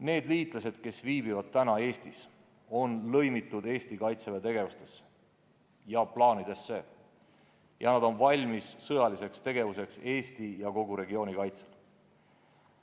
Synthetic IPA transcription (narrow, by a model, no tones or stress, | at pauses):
ne̞ːd̪liːt̪ˑlɑse̞d̪̥ke̞sviːbivɑd̪̥̚t̪ːænɑe̞ːst̪is | o̞nlɤ̞jmit̪ːˑud̪e̞ːst̪ikɑjt̪sevet̪e̞ɡ̥e̞vust̪e̞̥s | jɑplɑːnid̪̥e̞sːe̞ | jɑnɑd̪o̞nvɑlʲmisːɤ̞jɑlise̞kst̪e̞ɡ̥e̞vuse̞kse̞ːst̪ijɑko̞ɡuɾe̞ɡio̞ːnikɑjt̪sel